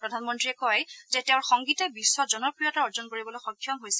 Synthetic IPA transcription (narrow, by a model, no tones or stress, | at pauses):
pɹɔdʱanmɔntɹiɛkɔjzɛteʊ̃ɹxɔŋɡitɛbisːɔzɔnɔpɹijɔtaɔɹzɔnkoɹibɔlojxɔkʰːjɔmɦojsɛ